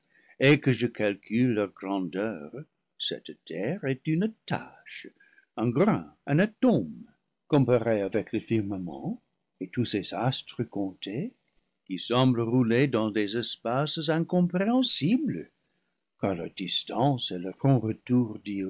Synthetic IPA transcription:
ekəʒəkalkʰylːœʁɡʁɑ̃dœʁ | sɛ̰ttʰɛʁɛtynta̰ʃ | ɛ̃ɡʁɛ̰̃ɛ̃natõm | kɔ̃paʁeavɛkləfiʁməmɑ̰̃ | etusezastʁəkɔ̃te | kisɑ̃bləʁuledɑ̃dezɛspaszɛ̃kɔ̃pʁeɑ̃siblə | kala̰distɑ̃sɛləpʁɔ̃ʁətuʁdi

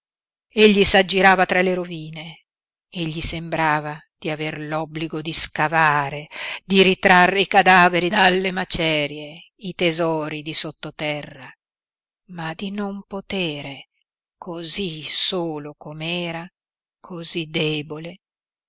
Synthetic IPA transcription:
eʎːisad͡ʒːiɾaːvat̪ɾaleɾoviːne | eʎːisembɾaːva | d̪̥iaverlɔbliɡod̪iskavaːɾed̪iɾit̪ɾarːeikad̪aːveɾid̪alːemat͡ʃɛːɾje | it̪ezɔːɾid̪isot̪ːot̪ɛrːa | mad̪inompot̪eːɾe | kʰozisoːlokomeɛːɾa | kʰozid̪eːbole

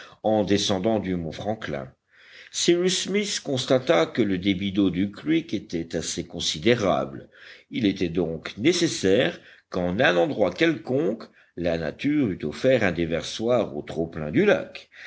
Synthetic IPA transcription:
ɑ̃d̪esɑ̃d̪ɑ̃d̪ymɔ̃fχɑ̃klɛ̰̃ | siʁysmiskɔ̃st̪at̪akələd̪ebid̪od̪ykliket̪ɛt̪asekɔ̃sid̪eʁa̰blilet̪ɛd̪ɔ̃knesesɛːʁkɑ̃nɛ̃nɑ̃d̪ʁwakɛlkɔ̃k | lana̰t̪yʁyt̪ofɛʁɛ̃d̪evɛʁswaʁot̪χoplɛ̰̃d̪yla̰k

